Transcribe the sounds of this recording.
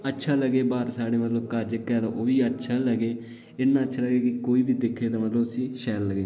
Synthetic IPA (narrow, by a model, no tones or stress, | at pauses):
ətːʃʰaːləɡeːbaːɾsaːɽeːmət̪ləbkəɾd͡ʒəkɛːd̪ãːʔoːʋiːətːʃʰaːləɡeː | ɪnːãːətːʃʰaːləɡeːkɪkoːiːbiːd̪ekʰːeːt̪ãːmət̪ləbəsĩːʃɛːɾləɡeː